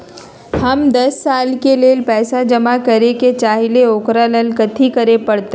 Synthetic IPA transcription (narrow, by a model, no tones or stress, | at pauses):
həmd̪ɐsːaːlkeleːlpɛːsad͡ʒəmakəɾeket͡ʃaːɦileoːkɾaləlkət̪ʰikəɾepəɽt̪e